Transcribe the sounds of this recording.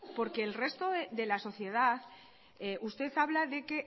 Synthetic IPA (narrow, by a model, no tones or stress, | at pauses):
po̞ɾke̞ːlre̞st̪o̞ðeðe̞laso̞θje̞ð̞aθ | ʔust̪e̞θaβlaðe̞ke̞